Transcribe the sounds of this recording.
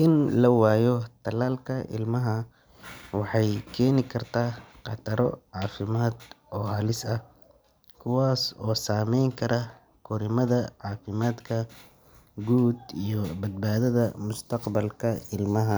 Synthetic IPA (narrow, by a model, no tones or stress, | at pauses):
ʔɪnlɐwaːjɔt̪ʰɐlaːlkʰɐʔɪ̰lmɐɦɐ | wɑħɑjkʰɛːnɪkʰɐrt̪ʰaːqɑt̪ʰɐɾɔʕɑːfɪmaːd̪ʔɔːhaːlɪsɐ | kʰʊwaːsɔːsaːmɛjŋkʰɐɾʔɐ | kʰʊɾɪmɐðɐʕɑːfɪmaːd̪kʰɐ | ɡuːd̪ijɔbɐd̪̚baːðɐðɐmʊst̪ʰɐqbɐlkʰɐɪlmɐɦɐ